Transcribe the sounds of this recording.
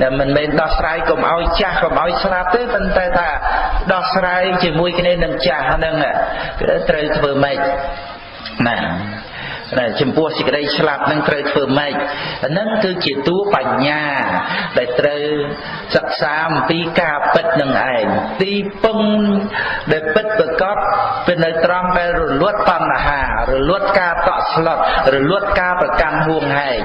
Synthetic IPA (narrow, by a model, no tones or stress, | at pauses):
namɨnmɛːnɗɑhsraːjkomʔa̰ɔjt͡ɕahkomʔaɔjslap̚t̪eːpont̪aɛt̪ʰaːɗɑhsraːjt͡ɕiəmuəjkʰniənɨŋt͡ɕahnɨŋa | t̪rəwt̪ʰʋəːməc̚ | na | nat͡ɕɑmpʊ̆əhsək̚ə̆ɗəjslap̚nɨŋt̪rəwt̪ʰʋəːməc̚anɨŋkɨːt͡ɕiət̪uəpaɲːaːɗaɛlt̪rəw | sək̚saːʔɑmpiːkaːpɨt̪̚nɨŋʔa̰ɛŋt̪iːpɨŋ | ɗaɛlpɨt̪̚prakɑt̪̚pɨnɨwt̪rɑŋɗaɛlrɔluət̪ːɑnːaɦaːrɔluət̪̚kaːt̪ɑ̰ʔsʰlɑt̪̚rɔlʊət̪̚kaːprɑkanɦuəŋhaɛŋ